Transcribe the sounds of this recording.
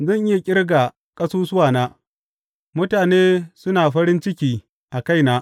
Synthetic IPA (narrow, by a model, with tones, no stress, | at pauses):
zɐ˦ŋʔɪ˦ja˨kʲʼɪ˦rɡa˨ | kʼɐ˦suː˦sʊ˦waː˨naː˦ | mʊ˦taː˨neː˦sʊ˦naː˨ɸɐ˦ɾɪ˦nt͡ʃɪ˦kʲiː˨ | ʔa˨ka˦˨jnaː˦